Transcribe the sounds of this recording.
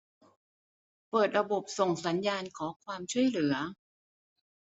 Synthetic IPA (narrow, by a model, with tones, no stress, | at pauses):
pɤː˨˩t̪̚ɾa˧bo˨˩p̚so˨˩ŋsa˩˦njaː˧nkʰɔː˩˦kʰwaː˧mt͡ɕʰu˥˩əjlɯ˩˦ɐ